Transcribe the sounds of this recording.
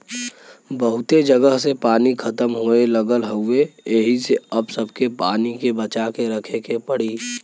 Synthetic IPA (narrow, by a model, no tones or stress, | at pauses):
bəɦʊt̪ed͡ʒəɡəɦsepaːnikʰɐt̪əmɦoeləɡəlɦəʊejeɦiseɐbsəbʱkepa̰ːnikebət͡ʃakeɾəkʰekepəɽiː